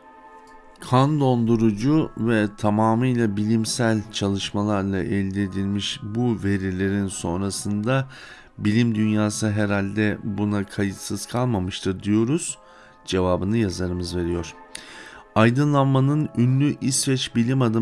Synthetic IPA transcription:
kʰand̪o̞nd̪uɾud͡ʒuvɛt̪ʰamaːmɯjlˠabilʲimsælʲt͡ʃʰalˠɯʃmalˠaɾlˠaʔɛlʲd̪ied̪ilʲmiʃbuve̞ɾilʲe̞ɾinso̞̰nɾasɯnd̪a | bilʲimd̪ynjaːsɯɦeɾalʲd̪ɛbunakʰajɯt̪sɯz̥kʰalˠmamɯʃt̪ʰɯɾd̪ijo̞ɾuz̥ | d͡ʒe̞vaːbɯnɯjazaɾɯmɯzve̞ɾijo̞ɾ̥ | ajd̪ɯnlˠanmanɯnynlʲyʔisvɛt͡ʃbilʲimad̪ɯ

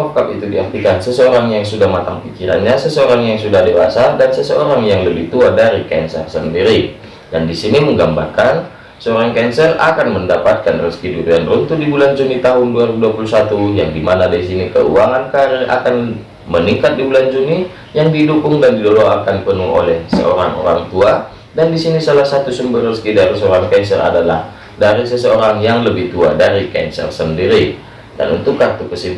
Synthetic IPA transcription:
ɔkap̚it̪udia̰rt̪ikansəsəoɾaŋjaŋsudahmat̪aŋpikiɾa̰nɲasəsəoɾaŋjaŋsudahdewa̰sadansəsəoɾaŋjaŋləbiht̪uadaɾikɛ̰nsə̰rsəndiɾi | dandisiniməŋɡambarkan | səoɾaŋkɛnsəra̰kanməndapat̪̚kanrəskiduɾianrunt̪udibuland͡ʒunit̪aɦʊnduaɾibuduapulusat̪ujaŋdimanadaisinikə̰ṵaŋankaɾiʔa̰kan | məniŋkat̪̚dibuland͡ʒuni | jaŋdidukʊŋdandidoɾoakanpənuŋo̰lɛhsə̰ʔo̰ɾaŋo̰ɾaŋt̪ua | dandisinisalahsat̪usumbərrəskidaɾisəoɾaŋkɛnsəra̰dala̰h | daɾisəsəoɾaŋjaŋləbɪht̪uadaɾikɛ̰nsə̰rsəndiɾi | da̰nṵnt̪ʊkːart̪ukəsi

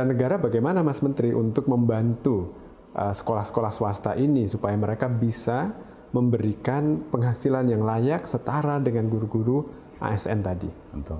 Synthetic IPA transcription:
danəɡaɾabaɡajmanamasmənt̪ɾiʔṵnt̪ʊk̚məmbant̪u | ʔəsə̥kolahsə̥kolahsəwast̪a̰ʔinisupajaməɾekabisa | məmbəɾikanpəŋɦasilanjaŋlajak̚sət̪aɾadəŋanɡuɾuɡuɾu | ʔa̰ɛsɛ̰nt̪adḭ | t̪

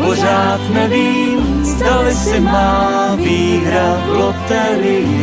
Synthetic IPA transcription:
poʒaːt̪nɛviːm | zd̪alɪsɪmaːviːɦɾa | lot̪ɛɾɪ

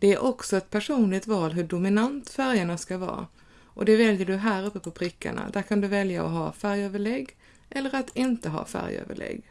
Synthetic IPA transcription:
d̪̥ɛæɾʔɔksɔɛt̪̚pʰæʂuːnlɪɡt̪vɑːlɦɵɖʊmɪnant̪fæɾjaɳaskavɑ̰ː | ʔɔd̪ɛvɛljəɖɵɦæːɾɵpːəpʰɔpʰɾɪkʰːa̰ɳa̰d̪æɾkʰand̪ɵvɛljaɔ̰ɦɑ̰ːfæɾjøːvəɭɛɡː | ʔɛlːəɾat̪ɪnt̪əɦɑ̰ːfæ̰ɾjø̰ːvə̰ɭɛ̰ɡː

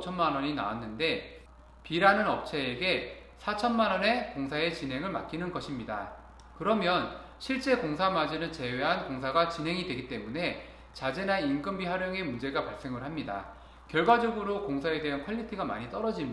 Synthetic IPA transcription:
t͡ɕʰʌnmanʌɲina̰wanːɯnde̞ | piɾanɯnʌp̚t͡ɕʰeːɡe̞ | sʰat͡ɕʰʌnmanʌne̞koŋsʰae̞t͡ɕinɦe̞ŋɯɭma̰k͈inɯnɡʌɕʰimɲida̰ | kɯɾʌmjʌn | ɕʰiɭt͡ɕ͈e̞koŋsʰamad͡ʑinɯnt͡ɕe̞we̞ɦankoŋsʰaɡat͡ɕinɦe̞ŋidwe̞ɡit͈e̞mune̞ | t͡ɕad͡ʑenaink͈ɯmbiɦwaɾjʌŋe̞mund͡ʑe̞ɡapaɭs͈e̞ŋɯɭɦamɲida̰ | kjʌɭɡwad͡ʑʌɡɯɾokoŋsʰae̞de̞ɦankʰʌʎːitʰiɡama̰ɲit͈ʌɾʌd͡ʑim

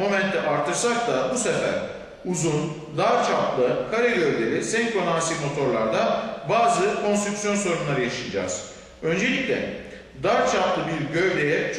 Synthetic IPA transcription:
mo̞mɛnt̪ʰɛʔaɾt̪ʰːɯɾsak̚t̪ʰabusefæ̰ɾ | uzun | d̪aɾt͡ʃʰaplˠɯkʰaɾelʲøɾlʲe̞ɾisɛɲkonansimo̞t̪ʰo̞ɾlˠaɾd̪anbaːzɯkʰo̞nst̪ɾuksijo̞nso̞ɾunlˠaɾɯjaʃɯnd͡ʒa̰ːz̥ | ø̞nd͡ʒe̞lʲicʲlʲɛ̰ | d̪aɾt͡ʃʰaplˠɯbiɾɟø̞vlʲejɛt͡ʃʰ

